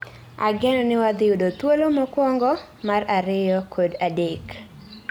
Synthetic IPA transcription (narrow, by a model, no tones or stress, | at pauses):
a̰ɡɛnɔnɪwad̪ɪudot̪wolomɔkwɔŋɡɔ | maraɾɪjɔkʰodadek